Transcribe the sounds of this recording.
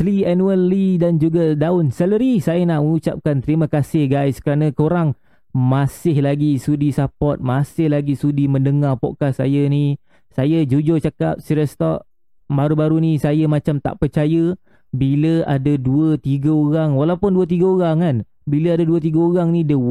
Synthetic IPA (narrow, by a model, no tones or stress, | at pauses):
slianuəlːidand͡ʒuɡadaʊnsɛləɾisajənaʔməut͡ʃap̚kant̪əɾiməkasɪhɡajskəɾanə̃koɾaŋ | masɪhlaɡisudisapɔt̪̚masɪhlaɡisudimə̃ndəŋarpɔ̰kasːa̰jəni | sajəd͡ʒud͡ʒot͡ʃaka̰p̚siɾəst̪ɔʔ̚ | baɾubaɾunisajəmat͡ʃamt̪a̰ʔpərt͡ʃajə | biləa̰dəduət̪iɡəoɾaŋwalawpʊnduət̪̬iɡəoɾaŋan | biləadaduət̪̬iɡəoɾaŋnĩdə